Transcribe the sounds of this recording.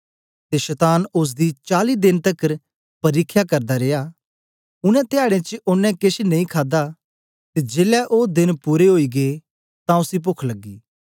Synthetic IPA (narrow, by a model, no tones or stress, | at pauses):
t̪eʃɐt̪aːnʊs̬d̪it͡ʃaːlid̪ɪnt̪ɐkːəɾ | pɐɾiːkʰːjakɐɾd̪aɾeːjaː | ʊnɛ̃t̪ɪaːɽ̃ẽt͡ʃʊnːɛ̃kɪʃenɐ̃ĩkʰaːd̪a | t̪ed͡ʒeːlɛʔoːd̪ɪnpuːɾeɦoːiɡe | t̪ãʊsip̬ʊkʰlɐɡːiː